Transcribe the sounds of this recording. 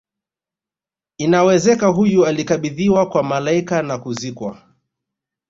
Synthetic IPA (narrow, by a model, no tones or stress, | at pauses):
inawɛzɛkaɦujualikaɓiðiwakwamalaikanakuzikwa̰